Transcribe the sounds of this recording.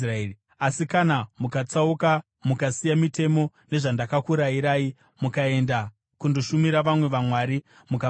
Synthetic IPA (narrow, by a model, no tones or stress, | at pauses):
r | asikanamukat͡sauka | mukasijamite̞mo̞ | ne̞ʐandakakuɾaiɾaːi | mukae̞nda | kunduʃumiɾaʋamwe̞ʋamwaːɾi | muka